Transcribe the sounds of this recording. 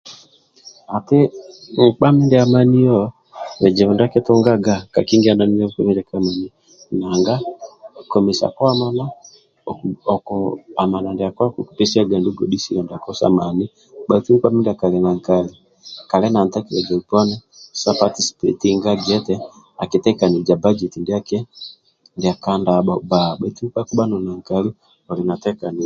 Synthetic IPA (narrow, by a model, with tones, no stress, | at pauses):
a˨tɪ˦ŋ̩˨k͡pa˦mi˦ndɛ˨a˨ma˦ni˦jɔ˦ | lɛ˨d͡ʒɛ˨βu˨nda˦kɛ˦to˦ŋɡa˦ɡa˦ka̰˨ki˦ŋɡi˦a˨na˨˦ni˦jɔ˦ka˦mi˦nda˨ka˦ma˨ni˨ | na˨ŋɡa˦kɔ˨mi˨sa̰˨kɔ˦a˦ma˦na˦ | ɔ˨ɔ˨kɔ˨a˨ma˨na˨ndɛ˨a˨kɔ˦a˦ku˨ku̥pɛ˦si˦a˦ɡa˨ndu˦ɡɔ˨ɗi˦si˦jɔ˨nda˨kɔ˦sa̰˦ma˨ni˦ | ɓa˨i˦ti˦i˦ɓa˦mi˦nda˨ka˨lɛ˨na˨ŋkali˨ | ka˨lɛ˦na˨nta˦kilɛ˨d͡ʒa˨upɔ˦nɛsa˦pati˦si̥˨pɛ˨tiŋɡaɡɛ˦tɛ | a˨ki˨tɛ˦ka˨ni˨d͡ʒa˨ba˦d͡ʒɛ˨ti˨ndi˦a˦kɛ˦ | ndi˨a˨kandaɓaba˨ɓa˨iti˦mu˦k͡pa˦ku˦ɓa˦nɔ˨na˨ŋka˦li˦ | ɔ˨lina˨tɛ˦ka˨ni˨